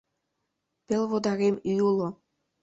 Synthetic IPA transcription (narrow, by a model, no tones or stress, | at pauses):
pʲĕlʲʋod̪ɑɾʲemyjulˠɤ̆